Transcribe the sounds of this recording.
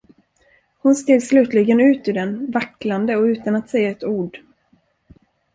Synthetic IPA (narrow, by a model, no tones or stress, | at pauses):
hʊnst̪eːd̪slʉ̟ːt̪ʰlɪɡənʉ̟ːt̪ɪd̪ɛnvakland̪əɔʉ̟ːt̪anat̪sɛjːaɛt̪uːɖ